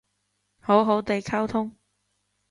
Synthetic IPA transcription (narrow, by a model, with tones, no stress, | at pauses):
ho˨˥wɦo˨˥wt̪e˨jkʰɐ˥wt̪ʰʊ˥ŋ